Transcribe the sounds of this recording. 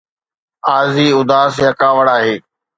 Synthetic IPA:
aːziːʊd̪aːsɦɐkaːʋəɽaːɦeː

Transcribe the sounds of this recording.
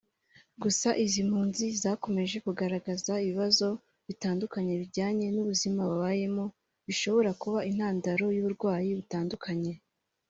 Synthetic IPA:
ɡusaʔizim̥huːnzizaːko̞me̞ʒe̞kuɡaɾaɡazaiβiβazo̞ | βitaːndukaɲe̞βiɾɟaːɲe̞nuβuzimaβaβaːje̞mo | βiʃo̞βo̞ɾakuβain̥haːndaɾo̞juβuɾɡwaːjiβutaːndukʰaɲe̞

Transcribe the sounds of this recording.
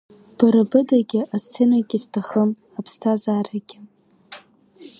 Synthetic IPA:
b̥aɾabɨdaɡʲɪʔast͡sʰenaɡʲɪztʰaχəm | apʰstʰazaːraɡʲɪ

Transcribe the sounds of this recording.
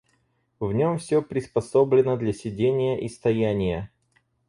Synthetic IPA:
vnʲomfsʲɵpɾʲɪspɐsoblʲɪnəd̪lʲɐsʲɪdʲenʲɪjəʔist̪ɐjænʲɪjə

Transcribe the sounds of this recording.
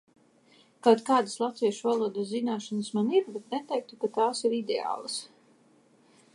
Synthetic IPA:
kawt̪kaːd̪aslˠat̪viɛʃuvalˠuɔd̪aszinaːʃansmaniɾbɛt̪nɛt̪ɛjk̚t̪ukat̪aːsiɾid̪ḛa̰ːlˠas

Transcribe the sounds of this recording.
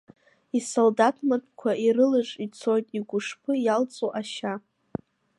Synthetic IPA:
isoldatʰmatʰʼkʷʰaiɾɨlɨʐʼit͡sʰo̞jtʼiɡʷʊʂpʰɨjalt͡sʼoʔaʃa

